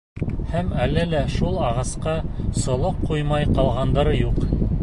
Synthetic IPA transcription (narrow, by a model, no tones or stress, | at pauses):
hæmælːælæʃulˠɑʁɑsqɑsŏlˠoqːujmɑjqɑlˠʁɑnd̪ɤɾɤjuq